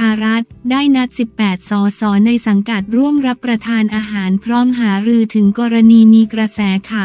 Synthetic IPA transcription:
aː˧ɾa˦˥t̪̚daː˥˩jna˦˥t̪̚si˨˩pːɛː˨˩t̪̚sɔː˩˦sɔː˩˦na˧jsa˩˦ŋka˨˩t̪̚ɾu˥˩əmɾa˦˥pːɾa˧t̪ʰaː˧nʔaː˧ɦaː˩˦npʰɾɔː˦˥mɦaː˩˦ɾɯː˧t̪ʰɯ˩˦ŋkɔː˧ɾa˧niː˧miː˧kɾa˧sɛː˩˦kʰaː˨˩

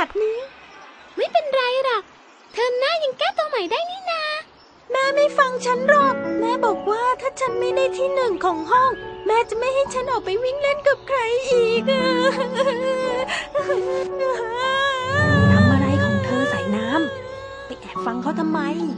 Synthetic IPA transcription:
a˨˩t̪̚nɯː˦˥ | ma˥˩jpe˧nɾa˧jɾa˨˩k̚ | t̪ʰɤː˧nnaː˥˩ja˧ŋkɛː˥˩t̪u˧əma˨˦jdaː˥˩jniː˦˥˩na˦˥ | naː˦˥˩ma˥˩jfa˧ŋt͡ɕʰa˦˥nɾɔː˥˩t̪̚nɛː˦˥bɔː˨˩k̚waː˥˩t̪ʰaː˥˩t͡ɕʰa˦˥nma˥˩jdaː˥˩jt̪ʰiː˥˩nɯ˨˩ŋkʰɔː˨˩˦ŋɦɔ˥˩ŋmɛː˦˥t͡ɕa˨˩ma˥˩jɦa˥˩jt͡ɕʰa˦˥nʔɔː˨˩k̚pa˧jwi˦˥˩ŋle˥˩nka˨˩p̚kʰɾa˧jʔiː˨˩k̚ː | na˧˩maː˧ɾa˧jkʰɔː˩˦ŋt̪ʰaː˧ŋsaː˨˩˦jnaː˦˥m | pa˨˩kɛː˨˩fa˧ŋkʰa˦˥˩wt̪ʰa˧mːa˧j

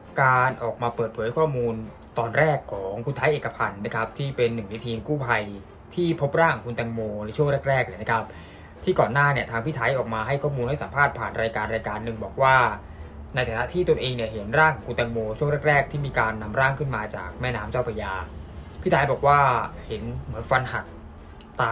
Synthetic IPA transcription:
kaː˧nʔɔː˨˩k̚maː˧pɤː˨˩t̪̚pʰɤː˩˦jkʰɔː˥˩muː˧n | t̪ɔː˧nɾɛː˥˩kʰːɔː˩˦ŋkʰu˧nt̪ʰaː˦˥jʔeː˨˩ka˧pʰa˧nːa˦˥kʰɾa˦˥p̚t̪ʰiː˥˩pe˧nːɯ˨˩ŋni˨˧˥t̪ʰiː˧mkuː˥˩pʰa˧j | t̪ʰiː˥˩pʰo˦˥p̚ɾaː˥˩ŋ˨ŋkʰu˧nt̪ɛ˧ŋmoː˧na˧jt͡ɕʰu˥˩ŋɾɛː˥˩k̚ɾɛː˥˩k̚ni˨˩na˦˥kʰa˦˥p̚ | t̪ʰiː˥˩kɔː˨˩nːaː˥˩ni˥˩ɐt̪ʰaː˧ŋpi˥˩t̪ʰaː˦˥jʔɔː˨˩k̚maː˧ɦa˥˩jkʰɔː˥˩muː˧nha˥˩jsa˨˩˦mpʰaː˥˩t̪̚pʰaː˨˩nɾaː˧jkaː˧nɾaː˧jkaː˧nːɯ˨˩ŋbɔː˨˩k̚waː˥˩ | na˧jt̪ʰa˨˩na˦˥t̪ʰiː˥˩t̪o˧nʔeː˧ŋni˥˩ɐɦe˩˦nɾaː˥˩ŋʰ˨˩kʰu˧nt̪ɛ˧ŋmoː˧t͡ɕʰu˥˩ŋɾɛː˥˩kɾɛː˥˩k̚t̪ʰiː˥˩miː˧kaː˧nːa˧mɾaː˥˩ŋkʰɯ˥˩nmaː˧t͡ɕa̰ː˨˩k̚mɛː˥˩naː˦˥mt͡ɕa˥˩wpʰa˧jaː˧pʰiː˥˩t̪ʰa˦jbɔː˨˩k̚waː˥˩he˩˦nmɯ˩˦ənfa˧nha˨˩k̚ | t̪aː˨˩

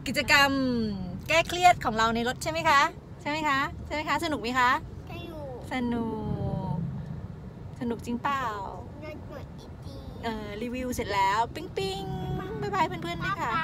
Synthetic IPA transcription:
ki˨˩t͡ɕa˧ka˧mkɛː˥˩kʰli˥˩ət̪̚kʰɔː˩˦ŋɾa˧wna˧jlo˦˥t̪̚t͡ɕʰa˥˩jma˦˥˩jkʰa˦˥ | t͡ɕʰa˥˩jma˦˥jkʰa˦˥t͡ɕʰa˥˩ma˥jkʰa˦˥sa˧nu˨˩k̚maː˦˥˩kʰa˦˥ʔ | sa˧nu˨˩k̚ | sa˧nu˨˩k̚t͡ɕi˧ŋpaː˨˩˨w | a˧kt̪̚i˧˩i˧ʔɤː˧ɾi˧wi˧wse˨˩t̪̚lɛː˦˥wpi˧ŋpi˧ŋ˥ma˥˩jbaː˧jpʰɯ˥˨npʰɯ˥˩ənma˦˥˩kʰa˦˥˩

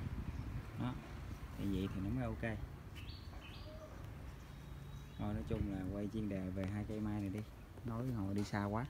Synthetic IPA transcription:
ɗɔ˨˦t̪ʰḭ˧˨vḭ˧˨t̪ʰi˨˩nɔ˨˦mɔ˨˧˦ʔo˧wke˧ | no˧˩nɔ˨˦t͡ɕʊ˧ŋ͡mlaː˨˩kwə˧jt͡ɕi˧əŋɗe˨˩ve˨˩ɦaː˧jka˧˦jmaː˧jnə˨˩jɗi˧ | no˨˦jho̰˧˨ɗi˧saː˧kwaː˨˦

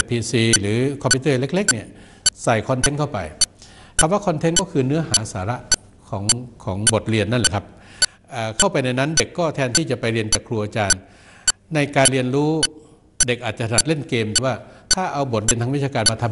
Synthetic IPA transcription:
pʰiː˧siː˧lɯː˩˦kʰɔ˧pʰiː˧˥t̪ɤː˥˩˨le˦˥k̚le˦˥k̚ni˥˩ɐ | sa˨˩jkʰɔ˧nt̪ʰe˦˥nkʰa˥˩wpa̰˧j | kʰa˧˩mwaː˥˩kʰɔ˧nt̪ʰe˦˥nkɔː˥˩kʰɯː˧nɯ˦˥ɐhaː˩˦˥saː˩˦ɾa˦˥ʔ | kʰɔː˩˦ŋkʰɔː˩˦ŋbo˨˩t̪̚ɾi˧ənːa˥˩nlɛ˨˩kʰa˦˥p̚ | ʔaː˨˩kʰa˥˩wpa˧jna˧jna˦˥˨nde˨˩kːɔː˥˩t̪ʰɛː˧nt̪ʰiː˥˩t͡ɕa˨˩pa˧jɾi˧ənt͡ɕaː˨˩kʰːɾuː˧ʔaː˧t͡ɕaː˧nː | a˧jkaː˧nɾi˧ənɾuː˦˥ | de˨˩k̚ʔaː˨˩t̪̚t͡ɕa˨sʰa˧na˨˩le˥˩nkeː˧mt̪ʰɛ˧˦waː˥˩t̪ʰaː˥˩ʔa˧wbo˨˩t̪̚ɾi˧nʰa˧wi˦˥aː˧kaː˧nmaː˧t̪ʰa˧m

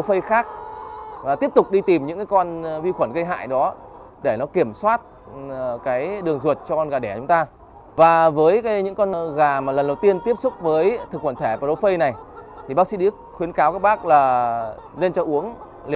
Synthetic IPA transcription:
ɗo˨˦fə˧jxaː˦˥k̚vaː˨˩t̪i˦˥əp̚t̪ʊ˨˩k͡p̚ɗi˧t̪i˨˩mɲɨ̰˧˥ŋkaː˨˦jkɔ˧nvi˧xwə˧˩nɣə˧jɦa̰ː˧˨jɗɔ˨˦ | ɗe˧˩nɔ˨˦ki˧˩əmswaː˦˥t̚ | kaː˨˦jɗɨ˨˩əŋzu˨˩t̚t͡ɕɔ˧kɔ˧nɣaː˨˩ɗɛ˧˩t͡ɕʊ˨˦ŋ͡mt̪aː˧ | vaː˨˩vəː˨˦jkaː˨˦jɲɨ̰˧˥ŋkɔ˧nɣaː˨˩maː˨˩lə˨˩nɗə˨˩wt̪i˧ənt̪i˦˥əp̚sʊ˦˥k͡p̚vəː˨˦jt̪ʰɨ˨˩k̚xwə˧˩nt̪ʰe˧˩pa˨˧ɗo˨˦fə˧jna˨˩jt̪ʰi˨˩ɓaː˦˥ksḭ˧˥ɗi˧˦ək̚xwi˨˦ənkaː˨˦wka˦˥k̚ɓaː˦˥k̚laː˨˩ | le˧nt͡ɕɔ˧ʔu˨˦əŋ | li˨

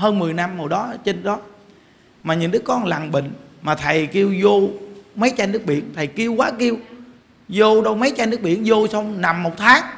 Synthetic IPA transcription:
ɦəː˧nmɨ˨˩əjna˧mːo˨˩ɗɔ˨˦t͡ɕe˧nɗɔ˨˦ | maː˨˩ɲɨ̰˧˥˦ŋɗɨ˦˥kːɔ˧nla˨˩ŋɓḭ̈˧˨ŋ̟maː˨˩t̪ʰə˨˩jki˧əwzo˧mə˨˦jt͡ɕa˧nɨ˦˥ək̚ɓḭ˧˨ənt̪ʰə˨˩jki˧əwkwaː˨˦ki˧əw | zo˧ɗə˧wmə˨˦jt͡ɕa˧jnɨ˦˥ək̚ɓḭ˧˨ənzo˧sa˧wŋ͡mna˨˩mːo˨˩t̚t̪ʰaː˨˦˥ŋ̚

